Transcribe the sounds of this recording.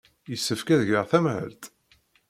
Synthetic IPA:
jəsːəfkæðʝəʁθæmʕə̰lt̪

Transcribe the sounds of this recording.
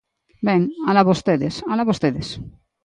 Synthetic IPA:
bẽŋalaβost̪eðesalaβost̪eðes

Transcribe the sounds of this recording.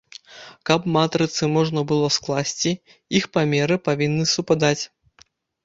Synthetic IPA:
kɐpmat̪ɾɨt̪sɨmɔʐnɐbɨlˠɔsklˠasʲt͡sʲi | ixpamʲɛɾɨpavʲinːɨsupad̪at͡sʲ

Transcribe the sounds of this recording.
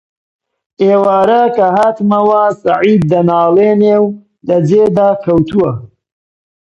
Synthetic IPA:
ʔeːwaːɾɐkɐɦaːt̪mɐwasɐʕiːd̪̚ːɐnaːleːnew | lɐd͡ʒeːd̪aːkʰɐwt̪ʰuwɐ

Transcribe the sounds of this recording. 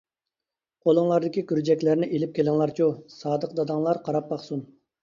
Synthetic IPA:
qʰolˠəŋlˠɑɾd̪ɪkʲikʲyɾd͡ʒɛkʲlæɾnɪʔelɪp̚kʲʰelɪŋlˠɑɾt͡ʃʰusɑːd̪əqd̪ɑd̪ɑŋlˠɑɾqʰɑɾɑp̚bɑχsun

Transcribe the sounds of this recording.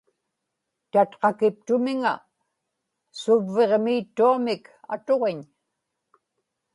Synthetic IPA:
t̪at̪qɑkɪp̚t̪ʊmɪŋa̰ | sʊvːe̞ʁmiːt̪ːuamɪka̰t̪o̞ʁeɲ

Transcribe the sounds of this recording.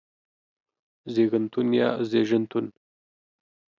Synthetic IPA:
zeɡənt̪unjɑ̰zeʒənt̪un

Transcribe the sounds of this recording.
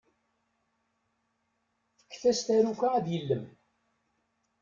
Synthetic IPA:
θə̥kːθæst̪æɾukʷaæðjəlːəm

